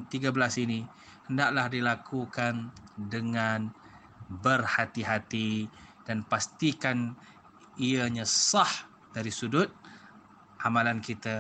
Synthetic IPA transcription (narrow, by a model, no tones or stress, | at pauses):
t̪iɡabəlasini | həndaʔlahdilakʰukandəŋan | bərhat̪iɦat̪id̥anpast̪ikan | iaɲãsah | d̥aɾisudʊt̪̚ | ʔamalankit̪a